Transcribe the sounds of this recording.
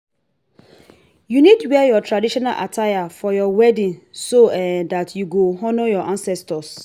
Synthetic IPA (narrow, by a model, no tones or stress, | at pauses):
junidwɛjɔtʰɹadiʃɔna̰lʔa̰tʰajafɔjɔwɛdĩnsoɛdatʰjuɡoɦɔnojɔʔãnsɛstɔs